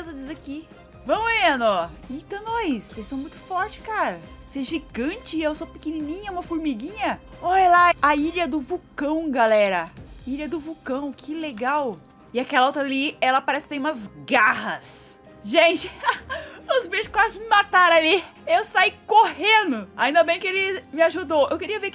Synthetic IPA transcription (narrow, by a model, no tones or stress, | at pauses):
zɐd͡ʒizaki | vɐ̃mʊiɐnɔẽt̪ɐ̃w̃nojssejsɐ̃w̃mũj̃t̪ʊ̥fɔɾt͡ʃɪ̥kaɾɐsseɛʒiɡɐ̃t͡ʃɪeewsopɪkeninĩɲɐũmɐfʊɾmiɡĩɲɐ | ɔlaaiʎɐd̪ʊvukɐ̃w̃ɡalɛɾɐiʎɐd̪ʊvukɐ̃w̃kʰɪleɡaw | ɪakɛlɐot̪ɾaliɛlɐpaɾɛsɪkɪt̪ẽj̃ũmɐzɡahɐs | ʒẽt͡ʃɪ | ʊzbeʃɪ̥kamat̪aɾali | ewsajkoɦẽnd̪ʊaĩnd̪ɐbẽj̃kɪelɪmɪaʒud̪owʔewkɪɾiɐveɾk